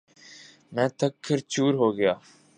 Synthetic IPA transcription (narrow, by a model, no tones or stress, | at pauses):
mɛ̃ːt̪ʰɐkʰːəɾt͡ɕuːɾɦoːɡɐjaː